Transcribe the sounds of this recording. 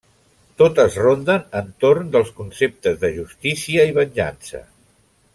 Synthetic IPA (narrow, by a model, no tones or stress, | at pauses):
t̪ot̪əzrond̪ənənt̪oɾnd̪əlˠskunsep̚t̪əzðəʒust̪isiəiβ̞əɲʲʒa̰nsə̰